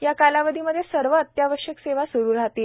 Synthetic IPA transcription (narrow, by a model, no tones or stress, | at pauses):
jakalaʋəd̪ʱiməd̪ʱːjesəɾʋəːt̪jaʋəɾʂjəkseʋasuɾuːɾaɦt̪e